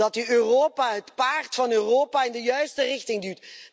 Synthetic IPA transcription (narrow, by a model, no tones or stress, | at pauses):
ɑtyøːroːpaɦətpaːrtfɑnøːroːpaːɪndəjœɥstərɪxtɪŋdyːt